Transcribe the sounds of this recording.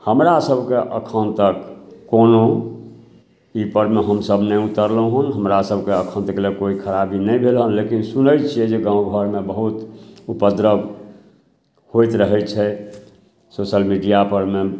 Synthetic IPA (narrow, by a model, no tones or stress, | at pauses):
həmɾasəbʱkeʔəkʰənt̪əkːono | ipəɾmeɦəmsəbʱnəjut̪əɾləɦənɦəmɾasəbʱkeəkʰə̃nt̪əklekoikʰəɾabinəjbʱelɦənlekinsunət͡ʃʰijed͡ʒeɡãõɡʱəɾmebəɦut̪upəd̪ɾəb | hojt̪ɾəɦɛt͡ʃʰɛ | sosəlmiɖijapəɾme